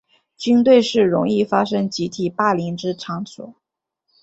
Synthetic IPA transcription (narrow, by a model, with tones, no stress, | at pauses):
t͡ɕy˥nt̪we˥˧ɪʂɻ̩˥˩ɻʊ̰˧˥ŋi˥˩fa˥ʂɤ˥ŋt͡ɕi˧˥t̪ʰi˨˩pa˥˩li˧˥ŋʈ͡ʂɻ̩˥ʈ͡ʂʰɑ˧˥ŋswɔ̰˨˩˦